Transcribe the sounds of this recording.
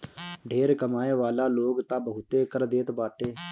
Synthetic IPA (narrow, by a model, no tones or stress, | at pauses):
ɖʱeːɾkəmaːeːʋaːlaːloːɡt̪ãːbəɦʊt̪eːkəɾd̪eːt̪baːʈeː